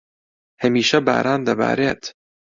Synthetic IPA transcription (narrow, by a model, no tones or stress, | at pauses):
hɐmiːʃɐba̰ːɾʔaːnd̪ɐba̰ːɾeːt̪